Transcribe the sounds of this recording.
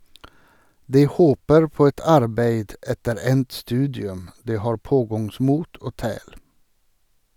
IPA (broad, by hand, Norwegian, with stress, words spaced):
ˈdiː ˈhoːpəɾ ˈpoː ˈɛt ˈɑɾbeɪd ˈɛtəɾ ˈɛnt ˈstʉːdɪʉm ˈdiː ˈhɑːɹ ˈpoːɡɑŋˌsmuːt ˈoː ˈtæːɽ